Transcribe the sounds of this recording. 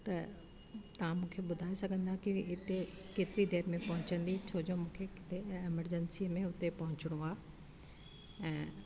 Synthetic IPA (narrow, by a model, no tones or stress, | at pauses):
t̪ɐ | t̪ɐʋ̤ãmũːkʰeɓʊd̪ʱaːesɐɡʱə̃nd̪akiɪt̪ekeːt̪ɪɾid̪eːɾmẽpɐɦʊ̃t͡ɕə̃nd̪it͡ɕʰoːd͡ʑoːmũːkʰeeɪməɾd͡ʑənsimẽʊt̪epɐɦʊ̃t͡ɕɪɽ̃oaː | ɛ̃ː